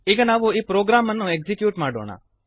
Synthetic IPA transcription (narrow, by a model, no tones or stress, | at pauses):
eɡənaːʋoipɾoːɡɾamːənːõeɡzikjuːʈmãːɖo̰ːɳa̰ː